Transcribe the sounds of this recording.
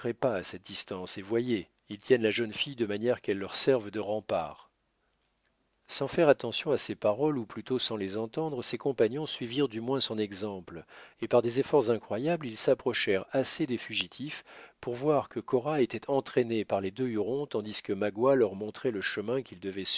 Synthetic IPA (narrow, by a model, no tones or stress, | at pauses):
ʁɛpaːsɛt̪̚d̪ist̪ɑ̃sevwaje | ilt̪jɛnlaʒənfijd̪əmanjɛʁkɛlːœʁsɛʁvd̪əʁɑ̃pa̰ːʁ | sɑ̃fɛʁat̪ɑ̃sjɔ̃asepaʁɔluplyt̪osɑ̃lezɑ̃t̪ɑ̃d̪ʁəsekɔ̃paɲjɔ̃sɥiviʁd̪ymwɛ̃sɔ̃nɛɡzɑ̃plepaʁd̪ezefɔʁzɛ̃kχwajablilsapχɔʃɛʁased̪efyʒit̪ʰifpuʁvwaʁkəkɔʁaet̪ɛt̪ʰɑ̃t̪χenepaʁled̪øyʁɔ̃t̪ɑ̃d̪iskəmaɡwalœʁmɔ̃t̪χɛləʃəmɛ̃kʲild̪əvɛs